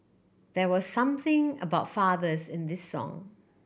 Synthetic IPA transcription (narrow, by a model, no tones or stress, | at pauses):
ðɛwɔsːʌ̃mθɪ̃ŋə̰baʊtfaðəsɪ̃ndɪsːɔ̰̃ŋ